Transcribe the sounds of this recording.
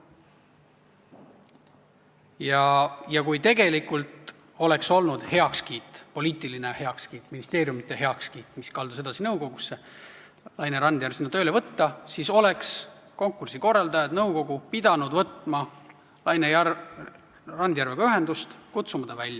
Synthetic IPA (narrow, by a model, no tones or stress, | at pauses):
jɑjɑkujt̪e̞ɡe̞likult̪ | o̞le̞kso̞lnud̪̥he̞ɑkskiːt̪ːˑpo̞liːt̪ˑiline̞he̞ɑkskiːt̪ːˑminist̪e̞ːɾjumit̪ːˑe̞ɦe̞ɑkskiːt̪ːˑmiskɑld̪use̞d̪̥ɑsinɤwko̞ɡ̥usːe̞ | lɑjneɾɑnd̪jærvsinːɑt̪ølevɤt̪ːɑsiso̞le̞ks | ko̞ŋkːˑursiko̞rːɑld̪ɑjɑt̪nɤwko̞ɡupid̪ɑnud̪vɤt̪ˑmɑ | lɑjneɑ | rɑnd̪jæɾrveɡ̥ɑyɦe̞nd̪ust̪kut̪sumɑd̪ɑvælʲːjɑ